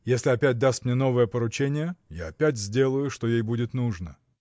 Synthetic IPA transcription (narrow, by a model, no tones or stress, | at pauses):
jesʲlʲɪɐpʲæt̚ʲd̪ast̪mnʲeno̞vəjəpəɾʊt͡ɕenʲɪjəjaɐpʲætʲzʲdʲe̞lˠəjʊʂt̪o̞jejbudʲɪt̪nuʐnə